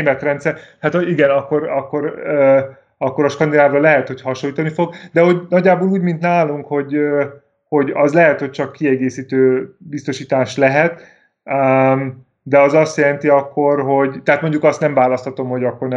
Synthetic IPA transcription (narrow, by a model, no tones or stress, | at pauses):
eːmɛt̪rɛnt̪sɛrhat̪oiɡɛnɒkːo̞ɾɒkːo̞ɾø | ɒkːo̞ɾɒʃkɒnd̪inaːvrɒlɛɦɛt̪ho̞chɒʃojiːt̪ɒnifo̞ɡd̪ɛɦo̞ɟnɒɟːaːboːluːɟmint̪naːluŋkho̞ɟø | ho̞ɟɒzlɛɦɛt̪ho̞c̚t͡ʃɒkːiɛɡeːsiːt̪øːbist̪o̞ʃiːt̪aːʃlɛɦɛt̪ | m | d̪ɛɒzɒst̪jɛlɛnt̪iɒkːo̞rɦo̞ɟt̪ɛɦat̪mo̞ɲɟukɒst̪nɛɱvaːlɒst̪hɒt̪o̞mho̞ɟɒkːo̞rnɛ